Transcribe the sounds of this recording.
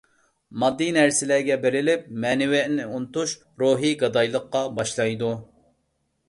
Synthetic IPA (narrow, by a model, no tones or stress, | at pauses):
mɑd̪ːinɛɾsɪlæɾɡʲɛbeɾɪlɪp̚mɛnɪwɛnɪunt̪uʃ | ɾoɦiɡɑd̪ɑjlˠəqːɑbɑʃlˠɑjd̪u